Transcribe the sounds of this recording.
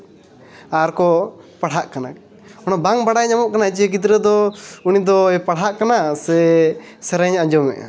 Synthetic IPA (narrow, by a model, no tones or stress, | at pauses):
aɾkɔpaɽ̤ɦaʔkana | ɔnabaŋbaɽajɲamɔʔkanait͡ʃiɛɡit̪̬ɾəd̪ɔunid̪ɔɛpaɽ̤ɦaʔkanasɛsɛɾəɲaɲd͡ʒɔmɛ̰ʔa̰